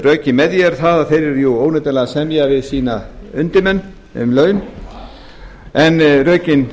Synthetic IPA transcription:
rœːɥcɪmɛðjɛɾ̥θaðaθejɾɪɾjuoːwnɛt̪alaɣasɛmjavɪðsiːnaʏnt̪ɪmɛnː | ʏ̰mlœːɥʏn | ɛnrœːɥcɪn

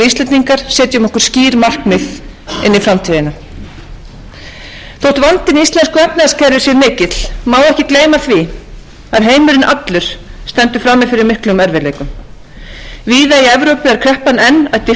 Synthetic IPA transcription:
ist̪lɛnt̪niŋkaɾ̥sɛːt̪jʏʏmɔhkʏɾ̥sciːɾmar̥kmɪð | ɪ̰nːɪfɾamt̪ʰiːðɪnːa | θowht̪vant̪ɪnist̪ɛnskɛp̚nascɛɾvɪsɛɾmɪːcɪt̪l̥maːwɛhcɪkleːjmaθvɪ | aðɦeːjmʏɾɪnʔat̪lʏɾ̥st̪ɛnt̪ʏfɾamːɪðfɪɾɪɾmɪhklʏʏmɛɾvɛɾleːjkʏm | viːðaiɛvɾowpɪaɾ̥kʰɾɛhpanɛnːaðt̪ɪ

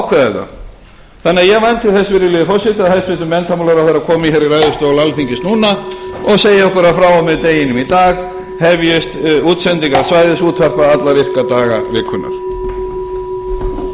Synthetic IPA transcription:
awkʰvɛðɛt̪ːa̰ | θanɪajɛɣvmajnt̪ʰɪθɛsvɪɾɪlɪɪfɔsɪt̪aðhɛst̪vɪt̪ʏmːɛnt̪amulaɾaθɛɾakʰɔːmɪçɛɾiɾajðʏst̪owlalfiɲcɪst̪nuːnaɔɣseːjɪɔhkʏɾafɾaːwamɛðt̪eːjɪnʏmit̪aːɣ | hɛvjɪst̪uːt̪sɛnt̪iŋkaɾsvaːjðɪsuːt̪ʰvar̥paðat̪laɾir̥kat̪aːɣa̰ɾɪːkʰːʏna̰ɾ̥

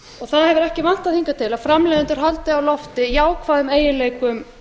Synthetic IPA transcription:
ɔɣθaðhɛvʏɾɛhcɪman̥t̪aðθiŋkat̪ʰɪlaðfɾamlɛːðɪnt̪ʏɾ̥ɦalt̪ɪawlɔft̪ɪiaːwkʰvaːðʏmeːjɪleːjkʏm

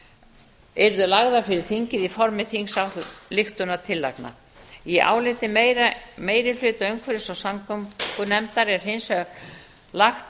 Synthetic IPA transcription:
ɛɾðʏlaɣðafɪɾɪɾ̥θiɲcɪðifɔɾmɪθiŋsawt̪lɪxt̪ʏnat̪ʰɪlːa̰jkna̰ | iiʔa̰ːwlɪt̪ɪmejɾameːjɾɪflʏːt̪œɥŋkʰvɛɾɪsawsaŋkʏmkʏnɛmt̪aɾɪɛɾ̥ɦɪnshœɾ | laxt̪

